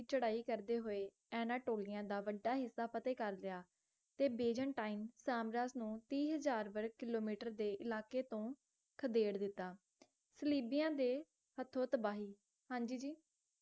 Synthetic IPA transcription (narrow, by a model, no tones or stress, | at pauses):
t͡ʃəɽaːiːkəɾd̪eːɦoːeː | ɛːnaːʈoːlɪjãːd̪aːʋəɖaːɦɪsːaːpət̪eːkəɾlɪjaː | t̪eːbeːd͡ʒəɳʈaːinsaːmɾaːznũːt̪iːɦəzaːɾbəɾɡ̚kɪloːmiːʈəɾd̪eːʔɪlaːkeːt̪õː | kʰəd̪eːɽd̪ɪt̪ːaː | səliːbɪjãːd̪eː | hət̪ʰːõːt̪əbaːɦiː | hãːɲd͡ʒiːd͡ʒiː